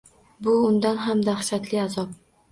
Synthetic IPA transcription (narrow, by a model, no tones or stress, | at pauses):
bʊʊnd̪anɦamd̪aχʃat̪lɪazɒp̚